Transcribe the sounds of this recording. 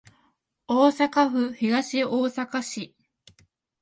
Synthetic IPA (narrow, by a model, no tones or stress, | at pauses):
oːsakaɸɯ̟çiɡaɕioːsakaɕi